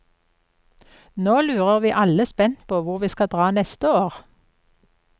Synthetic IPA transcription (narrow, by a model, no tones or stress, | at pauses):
noːlʉːʁəʁʋiːʔɑləspɛnt̪pʰoːʋʊʁʋiːskɑd̪ʁɑːnɛst̪əoːʁ